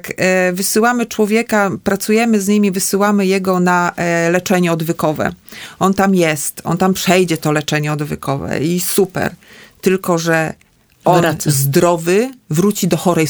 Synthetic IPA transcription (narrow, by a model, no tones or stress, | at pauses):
kvɘsɘwamɘt͡ʂwɔvʲjɛkapɾat̪sujɛmɘzɲimʲivɘsɘwamɘjɛɡɔnalɛt͡ʂɛɲɛɔd̪vɘkɔvɛ̰ɔnt̪amjɛst̪ɔ̰nt̪ampʂɛjd͡ʑɛt̪ɔlɛt͡ʂɛɲɛɔd̪vɘkʰɔvɛ̰isupɛ̰ɾt̪ɘlkɔʐɛ | ʔɔnzd̪ɾɔvɘvɾut͡ɕid̪ɔxɔɾɛj